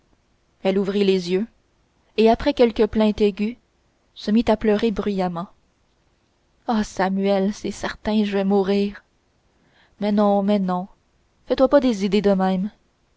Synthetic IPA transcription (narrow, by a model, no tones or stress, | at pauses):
ɛluvʁilezjø | eapχɛkʲɛlkʲəplɛ̃t̪eɡʲy | səmit̪aplœʁebʁɥyjamɑ̃ | asamyɛlsɛsɛʁt̪ɛ̃ʒəvɛmuʁiːʁ | mɛnɔ̃mɛnɔ̃ | fɛt̪wapad̪ezid̪ed̪əmɛ̃m